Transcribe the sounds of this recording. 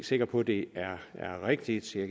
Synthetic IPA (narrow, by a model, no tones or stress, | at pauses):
se̝ɡ̥ɐpʰɒ̽d̥e̝æɐæɐʁeɡ̥̚d̥i̥seɡ